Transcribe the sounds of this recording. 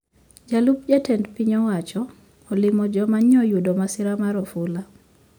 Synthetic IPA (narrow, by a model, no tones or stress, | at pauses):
d͡ʒalup̚d͡ʒatɛndpiɲɔwat͡ʃɔː | lɪmɔd͡ʒɔmaɲɔjudɔmasɪɾamaɾɔfula